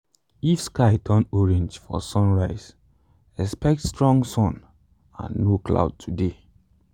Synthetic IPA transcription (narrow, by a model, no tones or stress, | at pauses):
ifskaɪtʰɔnɔɹẽnd͡ʒfɔ̰sɔ̃nɹaɪz̥ | ɛspɛk̚tstɹɔ̃ŋɡsɔ̃n | ã̰nːokla̰ʊd̚tʰude